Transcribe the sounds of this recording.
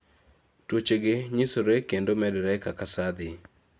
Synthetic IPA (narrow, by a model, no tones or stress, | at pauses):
twot͡ʃeɡɪɲisoɾekendomɛdɾɛkakasad̪ɪ